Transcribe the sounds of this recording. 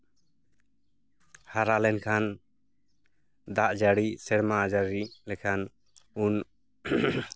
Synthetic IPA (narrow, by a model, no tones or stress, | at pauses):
haɾalɛnkʰan | d̪aʔd͡ʒaɽisɛɽmaad͡ʒaɾilɛkʰan | un